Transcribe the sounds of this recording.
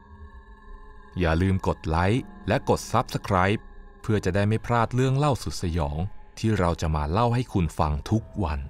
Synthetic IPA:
jaː˨˩lɯː˧mko˨˩t̪̚la˦˥jlɛ˦˥ko˨˩t̪̚sa˦˥p̚sa˧kʰɾaː˦˥jpʰː | ɯ˥˩ɐt͡ɕa˨˩da˥˩jma˥˩jpʰɾaː˥˩t̪̚ɾɯ˥˩əŋla˥˩wsu˨˩t̪̚sa˧jɔː˩˦ŋt̪ʰiː˥˩ɾa˧wt͡ɕa˨˩maː˧la˥˩wɦa˥˩jkʰu˧nfa˧ŋt̪ʰu˦˥k̚wa˧n

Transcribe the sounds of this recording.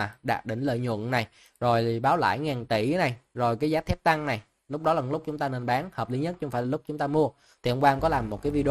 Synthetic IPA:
ɗa̰ː˧˨˩t̚ɗï˧˩ŋ̟lə̰ː˧˨jɲwə̰˧˨nna˨˩j | zo˨˩jɓaː˨˦wla̰ː˧˥jŋaː˨˩nt̪i˧˩˦na˨˩jzo˨˩jkaː˨˦jzaː˨˦t̪ʰɛ˦˥p̚t̪a˧ŋna˨˩j | lʊ˦˥k͡p̚ɗɔ˨˦la˨˩lʊ˦˥k͡p̚t͡ɕʊ˨˦ŋ͡mt̪aː˧ne˧nɓaː˨˦nhəː˨˩p̚li˨˦ɲə˦˥t̚t͡ɕʊ˨˦ŋ͡mfaː˧˩lːlʊ˦˥k͡p̚t͡ɕʊ˨˦ŋ͡mt̪aː˧mu˧ə | t̪ʰi˨˩ʔə˧wŋ͡mkwaː˧ŋ͡mkɔ˨˦laː˨˩mːo˨˩t̚kaː˨˦jvi˧ɗ

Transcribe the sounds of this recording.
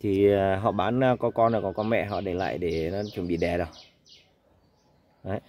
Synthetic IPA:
t̪ʰi˨˩˨ɦɔ̰˧˨ɓaː˨˦n˧kɔ˨˦kɔ˧nə˨˩kɔ˨˦kɔ˧nmɛ̰˧˨ɦɔ̰˧˨ɗe˧˩la̰ː˧˨jɗe˧˩nɔ˨˦t͡ɕu˧˩˦ɓḭ˧˨ɗɛ˨˩ɗə˨˩ | ʔə˨˦

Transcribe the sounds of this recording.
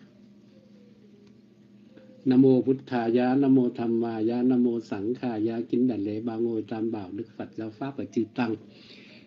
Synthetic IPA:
na˧moː˧˨pʰu˧˦t̪̚kʰaː˧˩jaː˧˥na˧moː˧t̪ʰa˧mːaː˧˩jaː˧˥na˧moː˧sa˨˩˦ŋkʰaː˧˩jaː˧˥ki˧˦nda˨jlɛː˨˧˦baː˧ŋoː˧˨jt̪aː˧˨mbaː˨˩wdɯ˧˦k̚fa˧˩t̪̚laː˧˨wfaː˧˥˨pa˨jt͡ɕiː˧˩t̪a˧˨ŋ

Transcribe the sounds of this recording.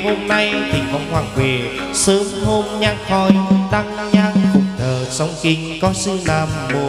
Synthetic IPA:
ho˧mna˧jt̪ʰi˨˩kɔ˨˦ŋ͡mhwaː˨˩ŋkwi˨˩ | səː˨˦ŋho˧mɲaː˧ŋ̚hɔ˧˩jt̪a˧˥ŋ | ɲaː˧˥ŋ̚kʊ˨˧˩ŋ͡m̚t̪ʰəː˨˩sɔ˨˦wŋ͡mkï˧ŋ̟kɔ˨˦si˧naː˧˩mmo˨˩

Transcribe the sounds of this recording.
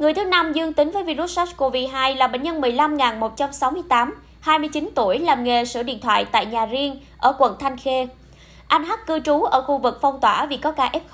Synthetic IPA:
ŋɨ˨˩jt̪ʰɨ˨˦na˧mzɨ˧əŋt̪ï˨˦ŋ̟vəː˨˦jvi˧ɾu˦˥t̚sa˦˥tko˧vi˧ɦaː˧jlaː˨˩ɓḛ˧˨ŋ̟ɲə˧nmɨ˨˩əjla˧mŋaː˨˩nmo˨˩t̚t͡ɕa˧msa˨˦wmɨ˧əjt̪aː˨˦m | haː˧jmɨ˧ət͡ɕi˨˦nt̪u˧˩əjlaː˨˩mŋe˨˩sɨ̰˧˩ḭ˧˨ənt̪ʰwa̰ː˧˨jt̪a̰ː˧˨jɲaː˨˩zi˧əŋ | ʔəː˧˩kwə̰˧˨nt̪ʰa˧jŋ̟xe˧ | ʔa˧jŋ̟ɦa˦˥k̚kɨ˧t͡ɕu˨˦ʔəː˧˩xu˧vɨ˨˩k̚fɔ˧wŋ͡mt̪waː˧˩vi˨˩kɔ˨˦kaː˧˩ʔɛ˦˥p̚

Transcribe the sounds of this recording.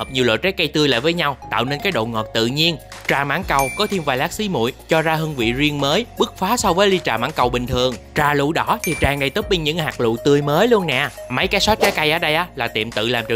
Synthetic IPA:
həː˨˩p̚ɲi˨˩əlo̰˧˨jt͡ɕɛ˨˦˥jka˧jt̪ɨ˧əjla̰ː˧˨jvəː˨˦jɲa˧wt̪a̰ː˧˨wne˧nkaː˨˦jɗo̰˧˨ŋɔ˨˩t̚t̪ɨ̰˧˨ɲi˧ənt͡ɕaː˨˩ma̰ː˧˥nkə˨˩wkɔ˨˦t̪ʰi˧mvaː˨˩laː˦˥k̚si˨˦mṵ˧˨jt͡ɕɔ˧zaː˧ɦɨ˧əŋvḭ˧˨zi˧əŋməː˨˦jɓɨ˦˥k̚faː˨˦sɔ˧wvəː˨˦jli˧t͡ɕaː˨˩ma̰ː˧˥ŋkə˨˩wɓï˨˩ŋ̟t̪ʰɨ˨˩əŋt͡ɕaː˧˩lṵ˧˥ɗɔ˨˦t̪ʰi˨˩t͡ɕaː˨˩ŋɗə˧˩jt̪ə˦˥p̚ɓi˧ŋ̟ɲɨ̰˧˥ŋhaː˨˩k̚lṵ˧˨t̪ɨ˧əjməː˨˦jlu˧ənnɛ̰˧˨ma˨˦jkaː˨˦jsɔ˨˦˥t͡ɕɛ˨˦ka˧jʔaː˨˦ɗə˧jʔaː˨˦laː˨˩t̪ḭ˧˨əmt̪ɨ̰˧˨laː˨˩mt͡ɕ

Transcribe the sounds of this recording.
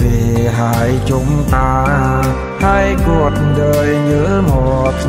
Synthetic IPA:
ziː˨˩ɦaː˨˩˦jt͡ɕʊ˨˦mt̪aː˧˩ | ha˧˩jku˨˩ət̚ɗəː˧jɲɨ˧˥mo˨˩t̚

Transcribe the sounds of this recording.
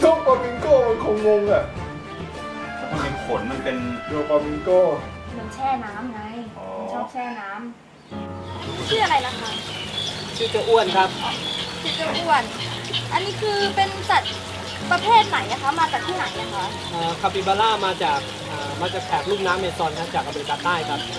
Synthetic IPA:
do˧˩paː˧mi˧ŋkoː˥˩ma˧nkʰo˧ŋwo˧ŋbɛ˨˩p̚ː | kʰa˦˩ma˧npe˧nfʰo˩˦nma˧npe˧ndoː˧pa˧mi˧ŋkoː˥˩ | ma˧nt͡ɕʰɛː˥˩naː˦˥mŋa˧˥j | ɔː˧t͡ɕʰɔː˥˩t͡ɕʰɛː˥˩naː˦˥m | ma˥˩t͡ɕʰɯː˥˩ʔa˧ɾa˧jla˦˥kʰa˦˥ʔ | sʰi˧˩t͡ɕa˧ʔu˥˩ənkʰa˦˥p̚sʰiː˧˥˩t͡ɕa˧ʔu˥˩ən | ʔa˧nːiː˦˥kʰɯː˧pe˧nsa˨˩t̪̚ | pɾa˧pʰeː˥˩t̪̚na˨˩˦jna˦˥kʰa˦˥maː˧t͡ɕaː˨˩k̚t̪ʰiː˥˩na˩˦jna˦˥˩kʰa˦˥ | ʔəː˨˩kʰa˧˩piː˧˩baː˧laː˥˩maː˧t͡ɕaː˨˩k̚ | ʔəː˨˩maː˧t͡ɕaː˨˩k̚pʰɛː˨˩k̚luː˥˩p̚naː˦˥mːeː˧sɔː˧nkʰa˦˥t͡ɕaː˨˩k̚ʔa˧˩ba˧ɾi˧t̪aː˧˩t̪aː˥˩jkʰɾa˦˥p̚

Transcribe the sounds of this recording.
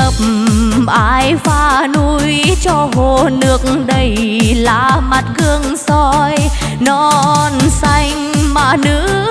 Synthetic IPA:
ə˨˩p̚m̩ | ʔaː˧jfaː˧nu˧jjt͡ɕɔ˧ɦo˧˨˩nɨ˨˩ək̚ŋ̩ɗə˧˩j | la̰ː˧˨˩ma˨˩t̚ɣɨ˧əŋsɔ˧j | nɔ˧˦˧nsa˧jŋ̟maː˨˩nɨ̰˧˥

